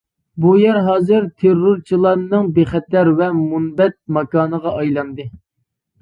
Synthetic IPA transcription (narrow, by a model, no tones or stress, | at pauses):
bujɛɾɦɑːzɨɾt̪ʰeɾːʊɾt͡ʃʰilˠɑnɨŋbeχɛt̪æɾvɛmunbɛt̪̚mɑkɑːnəʁɑʔɑjlˠɑnd̪ɨ